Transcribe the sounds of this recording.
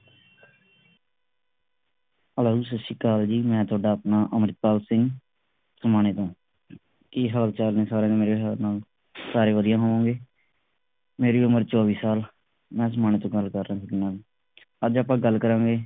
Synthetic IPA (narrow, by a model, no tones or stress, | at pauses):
əlaːuːsəsʃiːkaːld͡ʒiːmɛ̃ːt̪ʰʊaːɖaːpnãːʔəmɾɪt̪̚paːlsɪ̃ŋɡ | səmaːneːt̪õː | kiɦəːlt͡ʃaːlnẽːsaːɾẽːẽmeːɾeːɦənaːl | saːɾeːʋəd̪ɪjãːɦoːʋãːɡeː | meːɾeːʊməɾt͡ʃaːʋiːsaːl | mɛ̃ːsəmaːɳ̃eːt̪õːɡəlkəɾːãːsəɡɪnãːlː | əd͡ʒaːpãːɡəlkəɾãːɡeː